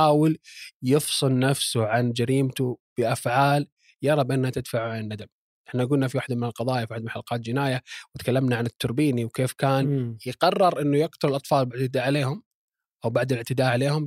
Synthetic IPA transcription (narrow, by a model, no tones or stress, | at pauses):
aːwɪljɪfsˤɨlnafsuʕand͡ʒaɾiːmt̪ub̥ɪʔafʕaːl | jɑɾˤɑbʔɪnːhat̪ɪd̪faʕuʕanɪnːad̪am | ʔɪħnaʔaɡuːlnafiwaːħd̪amɪnɪlqɑðˤɑːjafiaħd̪mʊħalqɑːt̪̚d͡ʒɪnaːjawɪt̪kalːamnaʕanɪt̪ːʊɾbiːniwkeːfkaːnjɪqɑrˤːɑɾˤʔɪnːujɪqt̪ʊɾɪlʔɑt̪ˤfɑːlbɪʕt̪ɪd̪aːʕaleːhʊm | ʔawbaʕd̪ɪlɪʕt̪ɪd̪aːʕaleːhʊm